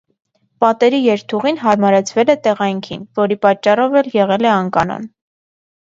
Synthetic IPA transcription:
pɑt̪ɛɾijɛɾt̪ʰuʁinɦɑɾmɑɾɛt͡sʰvɛlɛt̪ɛʁɑjŋkʰḭnvɔɾipɑt͡ʃːɑrɔvɛljɛʁɛlɛɑŋkɑnɔ̰n

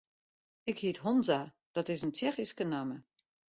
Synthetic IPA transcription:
ɪkhiətɦɔnza | d̥ɔtɪsəntjɛxiskənamə

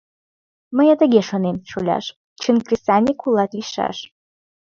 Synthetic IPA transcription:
məjat̪əɡʲeʃonemʃolʲa̰ʃ | t͡ʃʰɨnkrisanʲikʰulˠɑt̪liʃa̰ʃ

